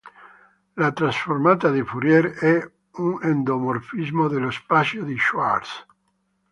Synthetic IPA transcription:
lat̪ɾasformat̪ad̪ifuɾjɛɾɛ | uŋend̪omorfizmod̪elospasjod̪iʃwa̰ɾs

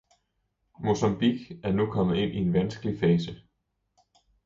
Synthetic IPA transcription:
mo̝sɑmb̥iɡ̥æɐnukʰɒ̽m̰ð̩ˠe̝n̰ʔie̝nʋænsɡ̥əlifɛːsə

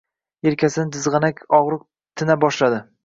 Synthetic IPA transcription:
eɾkʲʰasɪnɪd̪ʰɪzʁɨnakʲɒʁɾɨq̚ | t̪ʰɪnabɒʃlad̪ɪ

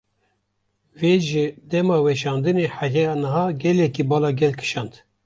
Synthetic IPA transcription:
veːʒɨd̪ɛmɑːwɛʃɑːnd̪ɨneːħæjɛjɑːnɨɦɑːɡɛlɛkibɑːlɑːɡɛlkʰɨ̥ʃɑːnd̪

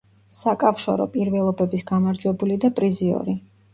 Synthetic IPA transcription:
sakʼafʃɔ̰ɾɔ̰pʼiɾvɛlˠɔbɛbisɡamaɾd͡ʒwɛbulid̪apʼɾiziɔ̰ɾi

